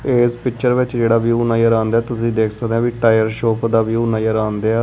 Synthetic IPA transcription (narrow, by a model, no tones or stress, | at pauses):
eːspɪkt͡ʃəɾʋɪt͡ʃd͡ʒeːɽaːʋjuːnajəɾãːnd̪aɛːt̪ʊsĩːd̪eːkʰsəkd̪ẽãːʋiːʈaːjəɾʃoːpd̪aːʋjuːnajəɾaːnd̪eːaː